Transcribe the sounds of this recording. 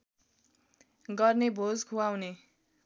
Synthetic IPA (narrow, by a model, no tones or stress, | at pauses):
ɡʌrnebʱod͡zkʰuawne